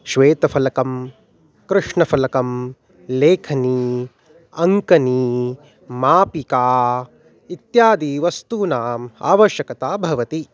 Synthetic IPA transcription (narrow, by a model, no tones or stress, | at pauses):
ʃʋeːt̪ɐfɐlɐkɐm | kɾɨʂɳɐfɐlɐkɐm | leːkʰɐniː | ɐŋkɐniː | maːpikaː | it̪jaːd̪iʋɐst̪uːnaːma̰ːʋɐʃjɐkɐt̪aːbʱɐʋɐt̪i